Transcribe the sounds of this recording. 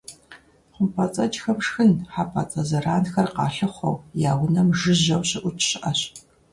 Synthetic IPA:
χʷʊmpʰɐt͡sʼɐt͡ʃxɐmʂxɨnħaːpʰɐ̰t͡sʼɐzɐraːnxɐrqɑ̰ːɬɨχʷɔ̰wjaːwʊnɐmʒɨʑɐwɕɪʔʷʊt͡ʃʰʼɕɪʔɐɕ

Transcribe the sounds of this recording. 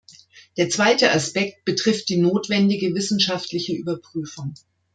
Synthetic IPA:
d̥eːɐt͡sv̥aɪtəʔaspɛkt̚b̥ətʁ̥ɪft̚d̥iːnoːtv̥ɛndɪɡəvɪsn̩ʃaftlɪçəʔyːbɐpʁ̥yːfʊŋ

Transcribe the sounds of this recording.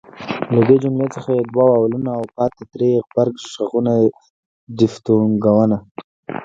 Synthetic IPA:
lad̪ed͡ʒʊmlet͡səxajed̪wawawlunaːwpɑt̪et̪ɾeɣbaɾɡʃʃaɣuna | dɪft̪uŋɡawəna

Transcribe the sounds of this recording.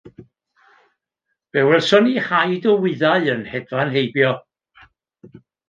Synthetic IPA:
v̥ɛwɛlsɔnihajdɔwɪðaɨənhɛdvanɦejbjɔ

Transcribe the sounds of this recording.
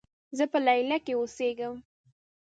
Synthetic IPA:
zəpəlajlakeoseɡəm

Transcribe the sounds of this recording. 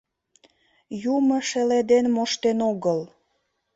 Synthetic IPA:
juməʃeled̪enmoʃt̪enoɣəl

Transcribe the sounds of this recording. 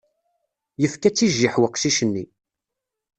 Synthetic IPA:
jəfkæt͡sːiʒːiħwəqʃiʃənːi

